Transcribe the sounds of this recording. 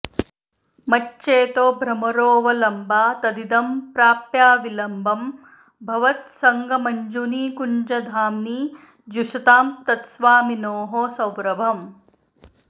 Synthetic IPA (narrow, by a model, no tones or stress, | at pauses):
mɐt͡ʃːʃeːt̪oːbʱɾɐmɐɾoːʋɐlɐmbʱaːt̪ɐd̪id̪ɐmpɾaːpjaːʋilɐmbʱɐm | bʱɐʋɐt̪sɐŋɡɐmɐɲd͡ʒuniːkuɲd͡ʒɐd̪ʱaːmniː | d͡ʒuʂɐt̪aːmt̪ɐt̪sʋaːminoːɦoːsɐwɾɐbʱɐm